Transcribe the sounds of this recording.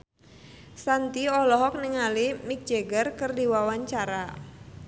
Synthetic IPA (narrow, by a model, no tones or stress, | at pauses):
sant̪iɔlɔɦɔk̚niŋalimik̚d͡ʒeɡərkɨrdiwawaɲt͡ʃaɾa